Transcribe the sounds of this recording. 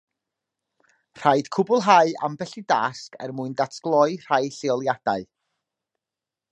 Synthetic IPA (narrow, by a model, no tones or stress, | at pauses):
r̥ajd̥kʰʊbʊlˠɦaɨa̰mbɛɬidaskʰɛ̰rmuɨndatʰɡ̥lˠɔɨr̥ajɬeɔlˠjad̥aɨ